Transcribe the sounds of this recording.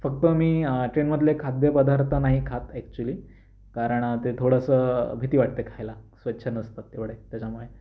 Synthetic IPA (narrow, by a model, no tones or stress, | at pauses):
fək̚t̪əmiːʈɾenməd̪ʱlekʰad̪jəpəd̪aɾt̪ʰənaɦikʰat̪ɛkt͡ɕuəliː | kaɾəɳt̪et̪ʰoɽəsəbʱit̪iːʋaʈ̚t̪ekʰajlasʋət̪ːɕʰənəst̪at̪ːeʋɭet̪jat͡ɕamuɭe